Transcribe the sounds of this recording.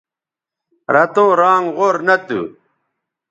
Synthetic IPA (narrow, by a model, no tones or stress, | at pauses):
ɾɐt̪õːɾaːŋʁoɾnɐt̪ṵ